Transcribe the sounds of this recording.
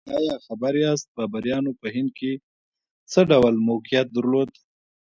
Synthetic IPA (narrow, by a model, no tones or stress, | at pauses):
ɑjɑxabaɾjɑst̪̚bɑbaɾjɑnopəhɪnd̪̚ke | t͡səɖawlmoqijat̪̚d̪əɾlod̪